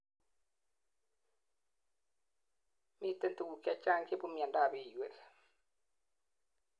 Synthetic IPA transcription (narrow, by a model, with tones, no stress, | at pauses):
mi˦t̪e˦nt̪u˨ɡu˨ka˦t͡ʃa˦ŋke˦βu˦mi˨a˨nda˨βi˨we˨